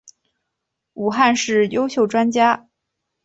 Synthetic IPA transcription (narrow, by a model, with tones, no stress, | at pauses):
u˨˩xa˥˧nʂɻ̩˥˩jo˥ʊɕjo˥˩ʊʈ͡ʂwa˥nt͡ɕja˥